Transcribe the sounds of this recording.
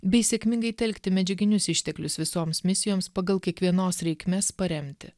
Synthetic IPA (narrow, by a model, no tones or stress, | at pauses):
bʲɛɪsʲɛkʲmʲɪŋɡɐɪt̪ʲɛlʲkt̪ʲɪmʲɛd͡ʒʲɛɡʲɪnʲʊsɪʃʲt̪ʲɛklʲʊsʋʲɪsoːmsmʲɪsʲɪjoːmspɐɡɐlˠkʲiɛkʋʲiɛnoːsɾʲɛɪkʲmʲeːspɐɾʲɛmʲt̪ʲɪ